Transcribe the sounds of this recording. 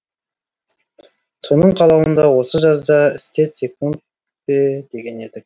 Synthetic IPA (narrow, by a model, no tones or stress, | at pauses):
sʰonəɴqʰɑlˠɑwənd̪ɑwo̞səʒɑzd̪ɑɪst̪e̞t̪sʲe̞kunt̪̚ | be̞d̪e̞ɡʲe̞ne̞d̪ɪk